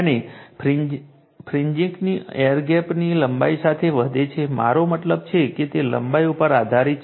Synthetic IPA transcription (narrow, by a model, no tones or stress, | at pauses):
ənepɾ | pʰɾiɲd͡ʒiŋkniejəɾɡɛpniləmbaisat̪ʰeʋəd̪et͡ʃʰema̰ɾomət̪ləb̚t͡ʃʰeket̪elə̰mbaiupəɾad̪ʱaɾit͡ʃ